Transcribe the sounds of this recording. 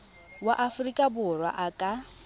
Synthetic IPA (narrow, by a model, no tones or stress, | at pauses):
waʔafʊrikʼabʊrwa̰ʔakʼa